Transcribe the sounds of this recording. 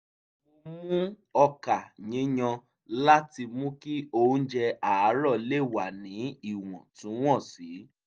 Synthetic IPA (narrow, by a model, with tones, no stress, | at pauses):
o˧mũ˦ | ɔ˧ka˨ɲĩ˨˦ɲɔ̃˧ | la˦ti˧mũ˦ki˦õ˦d͡ʒɛ˧a˨a˨˦ɾɔ˦˨le˦˨wa˨nĩ˨˦i˦˨w̃ɔ̃˨tũ˨˦w̃ɔ̃˦˨si˨˦